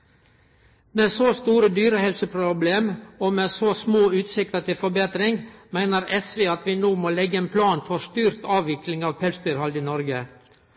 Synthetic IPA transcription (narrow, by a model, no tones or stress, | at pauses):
meːsoːst̪uːɾəd̪yːɾəhɛlsəpʰɾʊbleːmoːmeːsoːsmoːʉːt̪sɪk̚t̪ət̪ʰɪlfɔɾbeːt̪ɾɪŋmæɪnəɾɛsʋeːɑt̪ʋɪnoːmoːlɛɡːəeːnpʰlɑːnfɔɾst̪yːɾt̪ɑːʋʋɪklɪŋɑːʋpʰɛlsd̪yːɾhɑlɪːnɔɾɡə